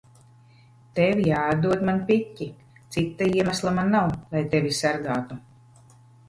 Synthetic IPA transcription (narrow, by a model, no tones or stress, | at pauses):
t̪evʲijaːad̪d̪uɔd̪manpicʲːi | t̪sit̪ːaiɛmæslˠamanːawlˠajt̪evʲisaɾɡaːt̪u